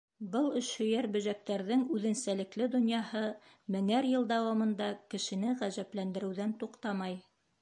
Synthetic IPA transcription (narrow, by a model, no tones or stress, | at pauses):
bɤlˠɵ̆ʃhɵ̆jæɾbɵ̆ʒæk̚t̪æɾðɘŋʉðɘ̆nsælɘ̆klɘd̪ŏnjɑhɤ | mɘ̆ŋæɾjɤ̆lˠd̪ɑwɑmɤ̆nd̪ɑkɘ̆ʃɘ̆nɘʁæzæplænd̪ɘ̆ɾɘ̆wðænt̪uqt̪ɑmɑj